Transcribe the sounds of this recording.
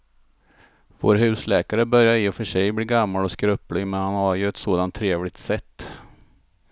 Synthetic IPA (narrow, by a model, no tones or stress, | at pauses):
vo̰ːɾɦʉ̟ːslɛːkaɾəbœɾjaɾɪʊfœʂɛjbliːɡamːalɔskɾɵpːlɪɡmɛnhanhaɾjɵɛt̪soːd̪ant̪ʰːɾeːvlɪɡ̚t̪sɛt̪ː